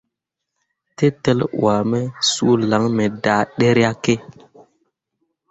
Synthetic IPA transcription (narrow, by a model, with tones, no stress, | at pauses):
te˦te˦lwa˨me˦sṵ˦la˨˦ŋme˨daː˨˦ɗe˦ɾa˦ke˦